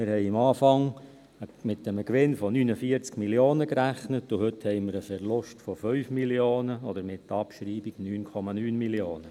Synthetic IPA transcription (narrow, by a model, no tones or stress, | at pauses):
mɪɾhɛɪɪmɑːfɑŋ | əmɪt̚dɛməkʋɪnfɔnyːnəfiəɾt͡skmiljoːnəkɾæχnətʊhɵthɛɪmɪɾəfɛɾlʊʃtfɔfœʏfmiljoːnəɔd̪əɾmɪtːəɑpʃɾiːbiɡ̥nyːnkʰɔmɑnyːnmiljoːnə